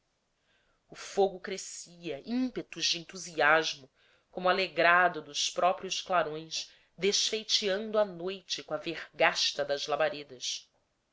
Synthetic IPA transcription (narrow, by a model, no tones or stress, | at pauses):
ʊfoɡʊkɾesiɐʔĩpet̪ʊzd͡ʒɪẽnt̪uziaʒmʊ | kõmʊaleɡɾad̪ʊd̪ʊspɾʔɔpɾiʊʃklaɾõj̃s | d̪eʃfejt͡ʃiɐ̃nd̪ʊanojt͡ʃɪkõɐveʁɡaʃt̪ɐd̪ɐzlabaɾed̪ɐs